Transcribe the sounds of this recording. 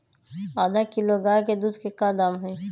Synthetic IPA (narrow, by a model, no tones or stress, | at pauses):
aːd̪akɪloɡaːjked̪uːd̪kekad̪aːmɦɛ̃ː